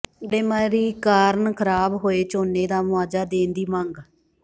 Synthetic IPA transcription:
ɖeːmaːɾiːkaːɾnkʰəɾaːbɦoːeːt͡ʃoːneːd̪aːmʊaːd͡ʒaːd̪eːnd̪iːməŋɡ

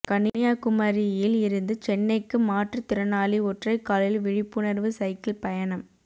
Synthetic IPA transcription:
kɐnɪjaːkʊmɐɾɪjɪlɪɾɯnd̪ɯt͡ʃɛnːɐɪkːɯmaːʈrɯt̪ɪɾɐnaːliɔʈrɐɪkːaːlɪlʋɪɻɪpːɯnɐɾʋɯsɐɪkɪlpɐjɐnɐm

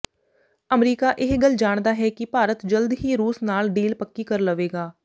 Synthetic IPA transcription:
əmɾiːkaːʔɪɦɡəld͡ʒaːɳd̪aːɦɛːkɪpaːɾət̪d͡ʒəld̪ɦiːɾuːsnaːlɖiːlpəkːiːkəɾləʋeːɡaː

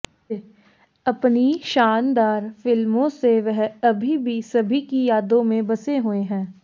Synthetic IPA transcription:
ɐpniʃaːnd̪aːɾfɪlmõseʋɛɦɐbʱibʱisɐbʱikijaːd̪õmẽbɐseɦueɦɛ̃ː

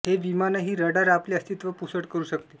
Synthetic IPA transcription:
ɦeʋimanəɦiːɾəɽaɾapleəst̪it̪ʋəpusəʈkəɾuːɕək̚t̪e

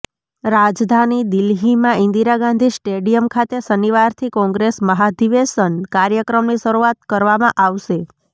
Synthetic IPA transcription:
ɾad͡ʒd̪ʱanid̪ɪlɦimãɪ̃nd̪iɾaɡãnd̪ʱisʈeɖijəmkʰat̪esəniʋaɾt̪ʰikɔ̃ŋɡɾesməɦad̪iʋesənkaɾjəkɾəmniʃəɾuat̪kəɾʋamãʔaʋʃe

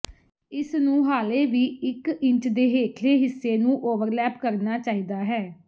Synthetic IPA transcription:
ɪsnũːɦaːleːʋiːɪkɪ̃ɲt͡ʃd̪eːɦeːkʰleːɦɪsːeːnũːʔoːʋəɾlɛːpkəɾnaːt͡ʃaːiːd̪aːɦɛː

